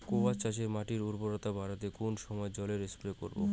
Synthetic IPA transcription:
kobat͡ɕat͡ɕeɾmaʈiɾuɾboɾot̪abaɾat̪ekonʃɔmɔed͡ʑɔleɾespɾeko̰ɾbo̰

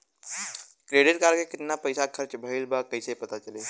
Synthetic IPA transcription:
kɾeːɖɪʈkaːɾkekɪt̪napəɪsakʰɐɾt͡ʃbʱəɪlbakɐɪsepɐt̪at͡ʃəleː

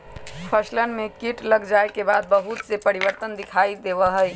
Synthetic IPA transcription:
pʰəslənmekiʈləɡd͡ʒaekebad̪̚bəɦut̪sepəɾibəɾt̪ənd̪ikʰaid̪eβəɦəj

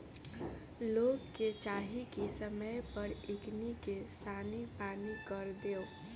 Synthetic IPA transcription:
loːɡket͡ʃaːɦikisəməjpəɾɪknikesaːnipaːnikəɾd̪eːoː

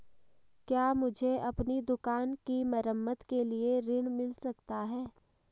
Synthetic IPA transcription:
kjaːmʊd͡ʒʱeʔɐpnid̪ʊkaːnkimɐɾəmːət̪kelieɾɪɽ̃mɪlsɐkt̪aɦɛː

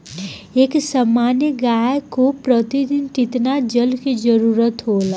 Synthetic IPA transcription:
eːksəmaːnjəɡaːjkopɾət̪id̪ɪnt͡ʃɪt̪nad͡ʒəlkid͡ʒəɾuːɾət̪ɦoːla

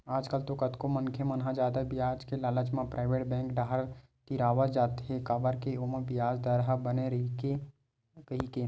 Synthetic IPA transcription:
aːd͡ʒkəlt̪okət̪komənkʰjemɐnɦad͡ʒaːd̪əbɪjaːd͡ʒkelaːlət͡ʃmãpɾʔaːɪʋeːʈbɛ̃ːŋkɖʱaːɦɾ | t̪iɾaːʋəd͡ʒaːt̪ɦekaːbəɾkeoməbɪjaːd͡ʒd̪əɾɦabəneɾɐike | kɐɦike

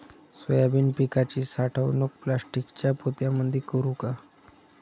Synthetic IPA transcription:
səjabiːnpikat͡ɕiːsaʈʰaʋnək̚plasʈikt͡ɕjapot̪jaməd̪ʱikəɾuka

